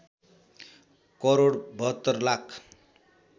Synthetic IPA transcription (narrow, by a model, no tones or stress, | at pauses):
kʌɾoɽbʱʌt̪ːʌrlakʰ